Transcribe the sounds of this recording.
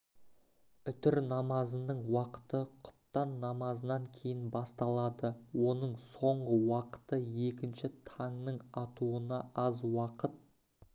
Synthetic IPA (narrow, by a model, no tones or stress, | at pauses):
ʏt̪ɪɾnɑmɑzənəɴwɑqə̥t̪əqʰʊ̥pt̪ɑnːɑmɑzənɑŋkʲʰe̞jɪnbɑst̪ɑlˠɑd̪əwo̞nəɴso̞ɴʁəwɑqə̥t̪əje̞kʲɪnʃɪt̪ʰɑŋnəɴɑt̪uənɑɑzwɑqət̪̚